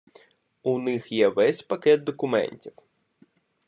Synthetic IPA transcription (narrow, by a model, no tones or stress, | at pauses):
unɪxjɛʋɛsʲpɐkɛd̪̚d̪ɔkʊmɛ̰nʲtʲiw